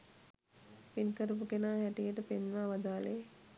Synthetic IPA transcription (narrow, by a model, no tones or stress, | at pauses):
pinkəɾəp̬ukenaːhɛʈijəʈəpenʋaʋad̪aːle